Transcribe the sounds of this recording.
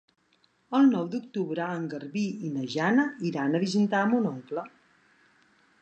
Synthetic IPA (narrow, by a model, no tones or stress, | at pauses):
əlˠnɔwd̪uk̚t̪uβɾəəŋɡəɾβiinəʒanəiɾanəβizint̪aəmunɔŋklə